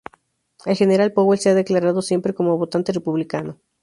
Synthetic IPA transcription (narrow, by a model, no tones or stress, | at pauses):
elxe̞neɾalpoβelseaðe̞klaɾað̞o̞sje̞mpɾe̞ko̞mo̞βo̞t̪ant̪e̞repuβlikano̞